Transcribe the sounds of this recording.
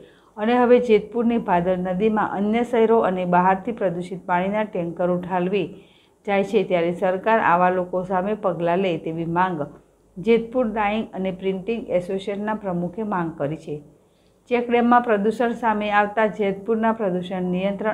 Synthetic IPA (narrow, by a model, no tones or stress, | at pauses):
əneɦəʋed͡ʒet̪̚puɾnibʱad̪əɾnəd̪imã̰ʔənjəsəɦɛɾoʔənebaɦaɾt̪ʰipɾəd̪uʃit̪̚paɽ̃inaʈɛŋkəɾuʈʰalʋi | d͡ʒajt͡ʃʰet̪jaɾesəɾkaɾa̰ʋalokosamepəɡlalet̪eʋimãŋɡ | d͡ʒet̪̚puɾd̪aiŋɡənepɾɪɳʈiŋɡɛsoʃeʈnapɾəmukʰemãŋɡ̚kəɾit͡ʃʰe | t͡ʃɛkɖemːãpɾəd̪uʃəɳsameaʋt̪ad͡ʒet̪̚puɾnapɾəd̪uʃəɳnijə̃nt̪ɾə